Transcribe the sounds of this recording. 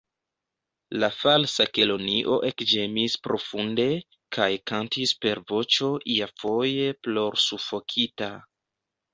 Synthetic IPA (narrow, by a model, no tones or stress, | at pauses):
lafalsake̞lo̞niʔo̞ʔekd͡ʒe̞mispɾo̞funde̞ | kʰajkantispe̞ɾvo̞t͡ʃo̞ʔiafo̞je̞plo̞ɾsufo̞kʰita